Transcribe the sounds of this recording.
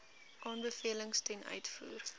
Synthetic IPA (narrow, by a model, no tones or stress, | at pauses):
ʔɑːnbəfiələŋstɛnœ̰ɥtfuːr